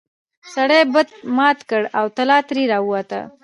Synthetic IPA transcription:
saɽebəd̪̚mɑt̪kəɽawt̪alɑt̪ɾiɾɑuwat̪ə̰

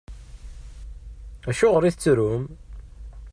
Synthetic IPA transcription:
æʃʊʁəɾiθət͡sːɾum

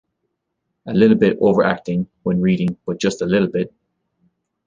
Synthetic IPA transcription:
əlɪɾl̩ˠbɪɾo̰ʊvə˞ʔæ̰k̚tɪ̃ŋ | wə̃nɹiɾɪ̃ŋb̥ʌt̚d̥ʒ̥ʌstəlɪɾl̩ˠbɪt̚

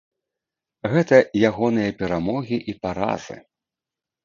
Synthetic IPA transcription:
ɣɛt̪ɐjaɣɔnɨjɐpʲɛɾamɔɣʲiʔipaɾa̰zɨ̰

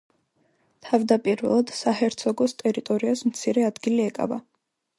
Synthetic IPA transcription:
t̪ʰavd̪apʼiɾvɛ̰lˠad̪̥sahɛɾt̪sʰɔɡɔst̪ʼɛɾit̪ʼɔɾiasmt̪sʰiɾɛad̪ɡiliɛkʼa̰va̰

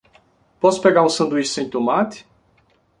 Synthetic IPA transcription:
pot̪sʲpeɡaũnsənd̪uiʃsej̪ʲt̪umat̪ʲ

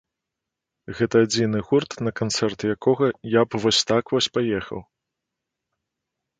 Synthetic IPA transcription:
ɣɛt̪ɐːd͡zʲinɨɣurt̪nɐkant̪sɛrt̪jakʰɔɣɐjapvɔsʲt̪akvɔsʲpajɛxɐ̰w

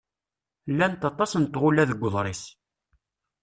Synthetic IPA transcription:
lːænt̪ɑt̪ˤɑsnt̪ːʁʊlæðəɡʷːəðˤɾˤis

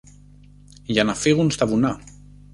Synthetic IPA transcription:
janafiɣunst̪aβuna

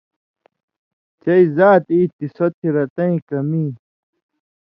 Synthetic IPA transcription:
t͡ɕɐizaːt̪iːt̪isot̪ʰiɾɐt̪ɐ̃ĩkɐmiː

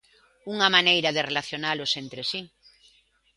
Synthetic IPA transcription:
uŋamanejɾaðerelaθjonalosent̪ɾesi

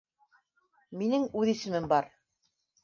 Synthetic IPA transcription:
minɘŋʉðisɘ̆mɘmbɑɾ

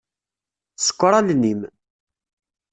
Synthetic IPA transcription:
sə̥kʷːɾˤɑlnim

